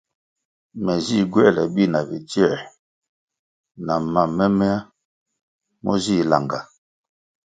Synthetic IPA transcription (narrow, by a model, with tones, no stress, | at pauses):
mɛ˨zi˦˨ɡwɛ˦˨lɛ˨bi˦˨na˨bi˨ti˦ɛ˦˨ | na˨ma˨mɛ˦mɛ˦a˦ | mɔ̰˦zi˦˨la̰˨ŋɡa˨